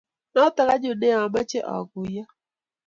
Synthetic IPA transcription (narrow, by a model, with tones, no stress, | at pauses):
na˦ʊ˦ta˨ka˦d͡ʒʊ˨nɛ˦a˨ma˦t͡ʃɛ˦ʔɔ̰˨ku˨ja˦